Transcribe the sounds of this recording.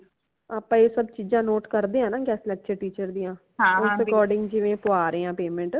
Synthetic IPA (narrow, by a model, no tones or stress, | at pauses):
aːpãːeːsəbt͡ʃiːd͡ʒãːnoːʈkəɾd̪eːãːnãːɡɛːsleətːʃʰeːʈiːt͡ʃəɾd̪ijãː | ɦãːʊɾɪkɔːɾɖɪ̃ŋɡd͡ʒɪʋẽːpʊaːɾːãːpeːmẽɳʈ